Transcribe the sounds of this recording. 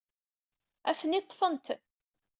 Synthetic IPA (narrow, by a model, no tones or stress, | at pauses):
æθənit̪ˤːfənt̪